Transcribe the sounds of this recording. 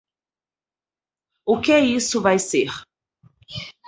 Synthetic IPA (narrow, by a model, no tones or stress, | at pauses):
ʊkɪɛisʊvajseɾ